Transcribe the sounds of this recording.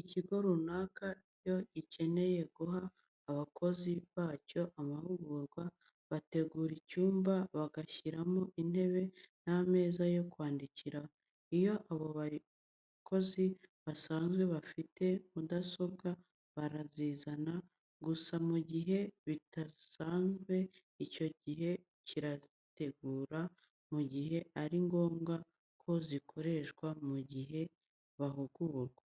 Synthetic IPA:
iciɡo̞ɾunaːkaijo̞ɟice̞ne̞je̞ɡuɦaː | βakʰo̞ziβaːco̞ʔamahuɡuːɾɡwa | βate̞ɡuːɾicuːmbaβaɡaçiɾamo̞ʔin̥he̞βe̞name̞ːzajo̞kwaːndiciɾa | ijo̞ʔaβoβa | kʰo̞ziβasaːnzɡwe̞βafite̞mudaso̞ɡa | βaɾaziːzana | ɡusamuɟiɦe̞βitasaːnzɡwe̞ | ico̞ɟiɦe̞ | ciɾa | te̞ɡuːɾa | muɟihe̞ʔaɾiŋɡo̞ːŋɡa | kʰo̞zikʰo̞ɾe̞ʃɡwamuɟiɦe̞ | βaɦuɡuɾɡa

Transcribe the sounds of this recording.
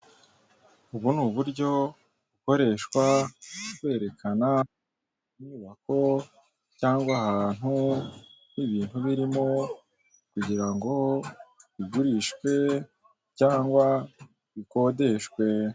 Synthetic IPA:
uβunuːβuɾɟo̞ | βuko̞ɾe̞ːʃkwa | we̞ːɾe̞kana | inuβako̞ | caːŋɡwahaːn̥hu | niβiːnhuβiɾimo̞ | kuɟiɾaŋɡo̞ | βiɡuɾiʃkwe̞ | caːŋɡwa | βiko̞ːde̞ʃkwe̞

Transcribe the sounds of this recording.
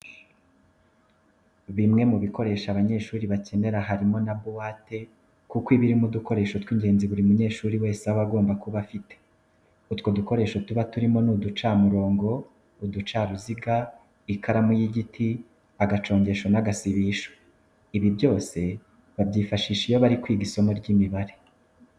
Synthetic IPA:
βimŋe̞muβiko̞ɾe̞ːʃaβaɲe̞ːʃuːɾiβace̞ne̞ɾaɦaɾimo̞nabowaːte̞ | kukwiβiɾimuduko̞ɾe̞ːʃotwiːɲɡe̞ːnziβuɾimuɲe̞ːʃuːɾiwe̞ːsawaɡo̞ːmbakuβafite̥ | utwo̞duko̞ɾe̞ʃotuβatuɾimo̞nudut͡ʃaːmuɾo̞ːŋɡo̞ | udut͡ʃaːɾuziɡa | ikʰaɾamujiɟitʰi | aɡat͡ʃo̞ːɲɟe̞ʃo̞naɡasiβiːʃo̥ | iβibjo̞ːse̞ | βabɟiːfaʃiːʃijo̞βaɾikwiːɡisomuɾɟiːmiβaɾe̞

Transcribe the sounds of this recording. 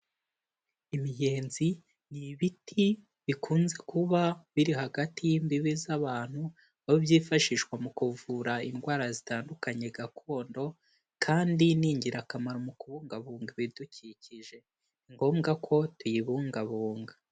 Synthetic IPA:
imije̞ːnzi | niβitʰi | βikʰuːnze̞kuβaβiɾihaɡatijimbiβizaβaːn̥hu | βaiβjiːfaʃiʃkwamukuvuɾainɡwaːɾazitaːndukaɲe̞ɡakʰo̞ːndo̞ | kʰaːndiniːɲɟiɾakamaɾomukuβuːŋɡaβuːŋɡaβiduciciʒe̞ | iŋɡo̞ːmɡakʰo̞tujiβuːŋɡaβuːŋɡa

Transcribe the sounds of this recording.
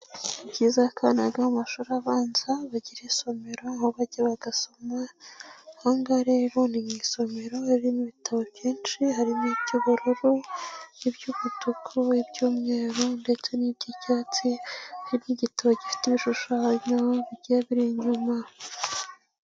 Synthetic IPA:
ibɟiːzakʰanaɡamaʃuɾaβaːnzaβaɟiɾiso̞me̞ɾo̞hoβaɟeβaɡaso̞ma | haːŋɡaɾe̞ɾo̞niŋiːso̞me̞ɾo̞haɾiɾimiβitʰaβo̞βjiːnt͡ʃiɦaɾimiɟuβuɾuɾujibɟuβutukʰuibɟuːmŋe̞ːɾonde̞t͡se̞nibɟicaːt͡sihaɾimniɟitaβoɟifi̥tiβiʃuʃaːɲoβiɟeaβiɾiɲuma

